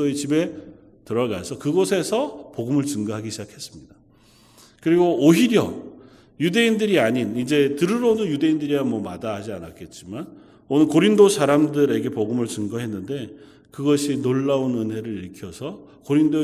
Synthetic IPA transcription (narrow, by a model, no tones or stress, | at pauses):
oet͡ɕibe̞ | tɯɾʌɡasʰʌkɯɡosʰe̞sʰʌpoɡɯmɯɭt͡ɕɯŋɡaɦaɡiɕʰid͡ʑakʰe̞s͈ɯmɲid̥a | kɯɾiɡooɦiɾjʌ | jude̞indɯɾiaɲinid͡ʑe̞tɯɾɯɾonɯnjude̞indɯɾiamwʌmadaɦad͡ʑianak͈e̞t̚t͡ɕ͈iman | onɯnkoɾindosʰaɾamdɯɾe̞ɡe̞poɡɯmɯɭt͡ɕɯŋɡaɦe̞nːɯnde̞ | kɯɡʌɕʰinoɭːaunɯnɦe̞ɾɯɾiɭkʰjʌsʰʌ | koɾindo